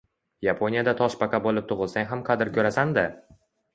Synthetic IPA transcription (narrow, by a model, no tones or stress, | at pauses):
japʰonijad̪at̪ʰɒʃpakʲabolɪp̚t̪ʰʊʁɨlˠsaŋʲɦamqʰɑd̪ɪɾkʲʰɵɾasand̪a